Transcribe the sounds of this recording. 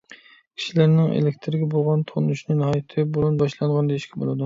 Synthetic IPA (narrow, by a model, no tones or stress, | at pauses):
kʲʰi̥ʃilæɾnɪŋḛlekʲt̪ʰɾɪɡʲɛbolˠʁɑnt̪ʰonuʃnɨnɨhɑjt̪ʰɪbolˠunbɑʃlˠɑɴʁɑnd̪eiʃkʲʰɛbo̰lˠɨd̪u